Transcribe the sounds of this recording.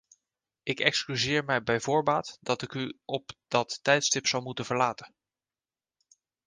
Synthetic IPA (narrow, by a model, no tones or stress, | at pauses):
ɪkɛkskyzɪːɹmɛjbɛjvʊːɹbaːtd̥ɑtɪkyɔpd̥ɑtːɛjtstɪpsɑwmutənvəɹlaːtən